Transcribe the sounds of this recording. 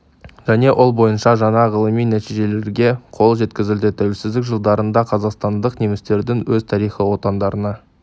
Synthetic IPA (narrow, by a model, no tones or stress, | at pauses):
ʒ̥æne̞ʔolˠbo̞jənʃɑʒɑɴɑʁəlˠəmijnæt̪iʒe̞le̞ɾɡʲe̞qʰo̞lˠʒe̞t̪kʲɪzɪld̪ɪt̪ʰæwelsɪzd̪ɪkʒəlˠd̪ɑɾənd̪ɑqʰɑzɑqst̪ɑnd̪əqnemɪst̪e̞ɾd̪ɪŋwɵzt̪ʰɑɾijχiwo̞t̪ɑnd̪ɑɾənɑ